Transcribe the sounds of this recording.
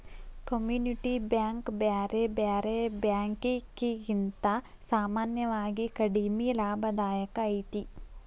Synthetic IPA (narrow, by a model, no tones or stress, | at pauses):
kɐmjuːniʈibjaːŋkbjaːɾebaːɾebjaːŋkikiɡint̪ɐ | saːmaːnjɐʋaːɡikɐɽimilaːbʱɐd̪aːjɐkɐːjt̪i